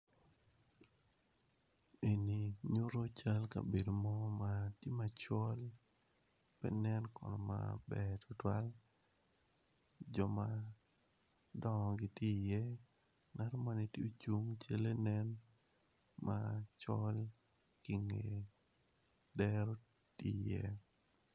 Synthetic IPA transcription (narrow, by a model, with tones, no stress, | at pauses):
e˨ni˨ɲo˦ɾo˦t͡ʃa˦lka̰˨be˨do˨mɔ˦matje˦ma˨t͡ʃɔ˦l | pɛ̰˦nɛ˦nkɔ̰˨nɔ˨ma̰˨bɛ˨tʰʊ˨twa˦l | d͡ʒɔ˨ma | dɔ˦ŋɔ˨ɡɪ˨ti˦jɛ˦ | ŋa˦ɾɔ˦ma˦ni˨ti˦o˦t͡ʃu˦ŋt͡ʃe˦le˦nɛ˦n | mat͡ʃɔ˦l | ki˨ŋe˨ | dɛ˦ɾɔ˦ | tḭ˦jɛ̰˦